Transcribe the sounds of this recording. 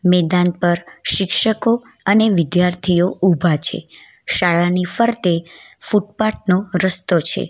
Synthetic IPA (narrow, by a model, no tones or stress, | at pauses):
mɛd̪anpəɾʃɪkʃəko | əneʋɪd̪jaɾt̪ʰioubʱat͡ʃʰḛ | ʃaɭanifəɾt̪efuʈ̚paʈ̚noɾəst̪ot͡ʃʰḛ